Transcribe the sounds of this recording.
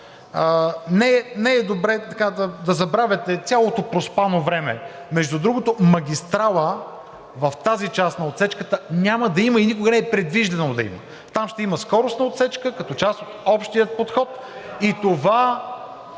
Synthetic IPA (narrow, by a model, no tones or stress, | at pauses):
ənɛnɛːd̪obɾɛt̪ɐkad̪ɐd̪ɐzɐbɾavʲɛt̪ɛt̪sʲalˠot̪opɾospanovɾɛmɛ̰ | mɛʒd̪ud̪ɾuɡot̪omɐɡʲist̪ɾalˠə | vɐft̪azit͡ʃasnɐot̪sɛt͡ʃkət̪ənʲamɐd̪ɐiməinikoɡənɛɛpɾɛd̪viʒd̪ɛnod̪ɐḭmə̰ | t̪amʃt̪ɛiməskɔɾosnɐot̪sɛt͡ʃkəkɐt̪ɔt͡ʃast̪ot̪ɔpʃt̪ijət̪̚pot̪xɔt̪ | it̪ova